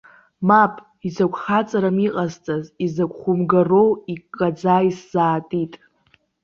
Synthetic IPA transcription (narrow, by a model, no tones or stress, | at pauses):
mapʼ | izakʷʼχat͡sʼaɾamiqʼazt͡sʼazizakʷχʷʊmɡarowikʼːad͡zaisz̥aːtʼitʼ